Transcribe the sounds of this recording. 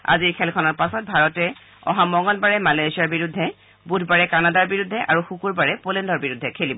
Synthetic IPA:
a̰ziɹkʰɛlkʰɔnɔɹpasɔt̚bʱaɹɔtɛ | ɔ̰ɦamɔŋɔlbaɹɛmalajsijaɹbiɹudʱːɛ | budʱbaɹɛkanadaɹbiɹudʱːɛʔaɹuxukuɹbaɹɛpolɛndɔɹbiɹudʱːɛkʰelibɔ

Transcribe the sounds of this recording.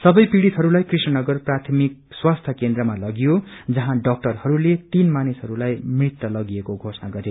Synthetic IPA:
sʌbʌjpiɽit̪ɦʌɾulajkrisnʌnʌɡʌrprat̪ʰʌmik̚swast̪ʰʌkend̪rʌmalʌɡijod͡zʌɦãɖʌk̚ʈʌrhʌɾulet̪inmanisɦʌɾulajmrit̪ːʌlʌɡiekoɡʱosnaɡʌɾe

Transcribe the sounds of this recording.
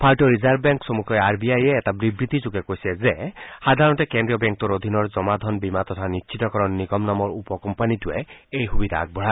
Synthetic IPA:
pʰaltoɹizaɹbbɛŋksomukʰɔjaɹbiajɛːtabɹibɹit̪izuɡɛkojsɛzexad̪ʱaɹɔntɛkendɹijɔbɛŋk̚tɔɹod̪ʱinɔɹzɔmad̪ʱɔnbimat̪ɔt̪ʰanitːʃʰit̪ɔkɔɹɔnːiɡɔmnamɔɹupɔkɔmpanituɛ̰ejxubid̪ʱa̰ːɡ̚bɔɹa

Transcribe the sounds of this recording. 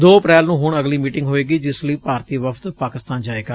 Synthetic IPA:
d̪oːəpɾɛːlnũːɦʊɳ̃əɡliːmiːʈɪ̃ŋɡɦoːeːɡiːd͡ʒɪsləiːpaːɾt̪iːʋəfʰt̪paːkɪst̪aːnd͡ʒaːeːɡaː

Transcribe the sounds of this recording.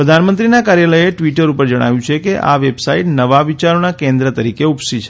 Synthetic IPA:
pɾəd̪ʱanmənt̪ɾinakaɾjaləjeʈʋiʈəɾupəɾd͡ʒəɽ̃a̰ʋjũt͡ʃʰekeʔa̰ʋebsaiʈnəʋaʋit͡ʃaɾonakẽnd̪ɾət̪əɾikeupsit͡ʃʰe̥

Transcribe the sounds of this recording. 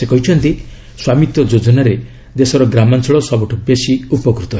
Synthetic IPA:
sekɔɦit͡ʃʰɔnt̪i | swamit̪ɔd͡ʒod͡ʒɔnaɾe | d̪esɔɾɔɡɾamansɔɭɔsɔbɔʈʰubesiupɔkɾut̪ɔɦ

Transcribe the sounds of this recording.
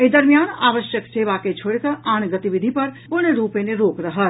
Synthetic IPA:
eːd̪əɾmijaːna̰ːʋəʃjəksʰeʋaːket͡ʃʰoːɽkəʔaːnɡɐt̪iʋɪd̪ʱipɐɾpʊɳ̃ɾuːpẽneɾoːkɾəɦət̪

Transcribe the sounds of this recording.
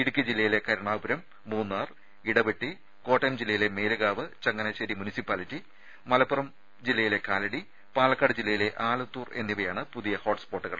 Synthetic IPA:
iɽukʲːɐd͡ʑilːɐjile̞kɐɾɐɳaːʋbɐɾɐmːuːnːaːr | iɽɐbeʈːi | ko̞ːʈːɐjɐmd͡ʑilːɐjile̞me̞ːluɣaːʋɨt͡ɕɐŋːɐnɐɕɐɾimunisipːaːlitːi | mɐlɐpːurɐm | d͡ʑilːɐjile̞kaːlɐɽi | paːlɐkːaːɽɨd͡ʑilːɐjile̞ʔaːlut̪ːuːrenːiʋɐjaːɳɨpuðijɐho̞ːʈspoːʈːɨɣɐ̰ɭ

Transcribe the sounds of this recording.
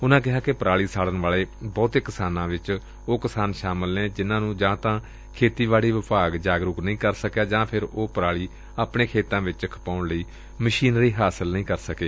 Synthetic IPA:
ʊnãːk̬ɪɦaːkɪpəɾaːɭiːsaːɽənʋaːɭeːbɔːt̪eːkəsaːnãːʋɪt͡ʃ | oːkɪsaːnʃaːməlnẽːd͡ʒɪnãːnũːd͡ʒãːt̪ãː | kʰeːt̪iːʋaːɭiːʋɪpaːɡd͡ʒaːɡɾʊknəĩːkəɾsəkjaːd͡ʒãːpʰɪɾoːpəɾaːɭiː | aːpɳeːkʰeːt̪ãːʋɪt͡ʃəkʰpaːʊɳləiː | məʃiːnɾiːɦaːsəlnəĩːkəɾsəkeː

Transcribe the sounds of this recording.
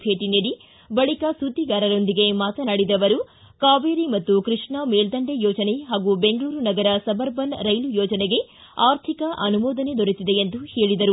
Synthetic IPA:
bʱe̞ːʈineɽi | bɐɭikɐsud̪iɡaːɾɐɾo̞nd̪iɡe̞maːt̪ɐnaːɽid̪ɐʋɐɾu | kaːʋeːɾimɐt̪ːukɾiʂɳameːld̪ɐɳɖejɔːd͡ʒɐne̞ɦaːɡube̞ŋɡɭuːɾunɐɡɐɾɐsɐbɐɾbɐnɾɐjlujɔːd͡ʒɐneɡe̞ | aːɾt̪ʰikɐʔɐnumɔːd̪ɐne̞d̪oɾet̪id̪e̞ːnd̪uhe̞ːɭid̪ɐɾu

